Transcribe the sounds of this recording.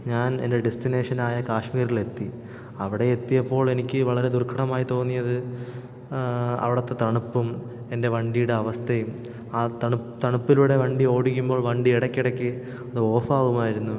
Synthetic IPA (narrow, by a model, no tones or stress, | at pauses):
ɲaːne̞̰nde̞ɖe̞stine̞ːʂɐnaːjɐkaːʂmiːɾiɭe̞t̪ːi | ɐʋiɽe̞et̪ːijɐpːo̞ːɭe̞nikʲːɨʋɐɭɐɾe̞d̪urkʰɐɳɐmaːjit̪o̞ːnːijɐðɨ | ɐ̰ʋiɽɐt̪ːet̪ɐɳupːum | e̞nde̞ʋɐɳɖijuɽe̞ɐʋɐst̪ʰɐjum | aːt̪ɐɳut̪ɐɳupːiluːɽe̞ʋɐɳɖio̞ːɽikʲːumbo̞ːɭʋɐɳɖieɽɐkʲːiɽɐkʲːɨ | ɐðɨo̞ːfaːʋumaːjiɾunːu